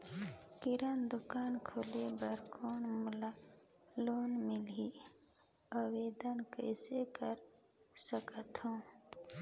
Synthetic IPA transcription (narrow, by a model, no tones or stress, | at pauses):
kɪɾənd̪ʊkaːnkʰoːlebəɾkʰoːnmʊla | loːnmɪli | əweːd̪ənkə̰ɪsekəɾ | səkət̪ɦõː